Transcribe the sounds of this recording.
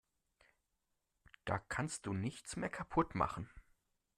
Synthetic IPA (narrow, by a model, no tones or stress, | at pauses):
d̥aːkʰanst̚d̥uːnɪçt͡smeːɐkʰapʰʊtma̰χn̩